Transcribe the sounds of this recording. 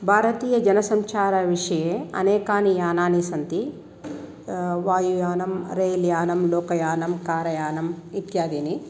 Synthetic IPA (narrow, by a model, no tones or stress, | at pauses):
bʱaːɾɐt̪iːjɐd͡ʒɐnɐsɐmt͡ʃaːɾɐʋiʂɐjeːɐ̰nɛːkaːnijaːnaːnisɐnt̪i | ʋaːjujaːnɐmɾeːljaːnɐmlɔːkɐjaːnɐmkaːɾɐjaːnɐmit̪jaːd̪iːni